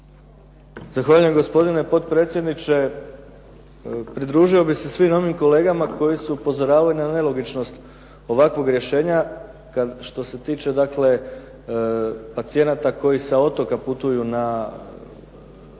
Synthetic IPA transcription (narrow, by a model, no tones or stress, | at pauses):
zaxʋaːʎujemɡo̞spo̞d̪ine̞po̞t̪pɾe̞ːt̪sʲjed̪nit͡ʃe̞ | pɾid̪ɾuːʒio̞bixse̞sʋino̞ʋimko̞le̞ːɡamako̞jisuːpo̞zo̞ɾaːʋalinane̞lo̞ɡit͡ʃno̞st̪ | o̞ʋakʋo̞ɡɾje̞ʃe̞ːɲa | kad̪ʃt̪o̞se̞t̪iːt͡ʃe̞d̪akle̞ | pat̪sije̞nat̪ako̞jisao̞t̪o̞kaput̪ujuna